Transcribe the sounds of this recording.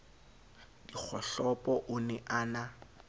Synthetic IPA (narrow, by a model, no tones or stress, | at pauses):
d̥ik͡xʰɔɬɔpʼɔʔʊnɛʔaːna